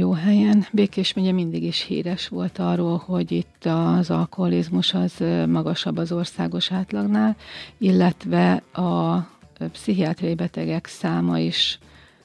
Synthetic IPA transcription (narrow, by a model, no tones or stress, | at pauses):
joːɦɛjɛnbeːkeːʃmeːɲɛmind̪iɡiʃhḭːɾɛʃʋo̞lt̪ɒrːoːlho̞ɟit̪ːɒzɒ̰lkoɦɒlizmuʃɒzmɒɡɒʃɒbːɒzo̞rsaːɡo̞ʃaːt̪lɒɡnaːlilːɛt̪ʋɛɒ | psiɦiaːt̪rɒjibɛt̪ɛɡɛksaːmɒ̰iʃ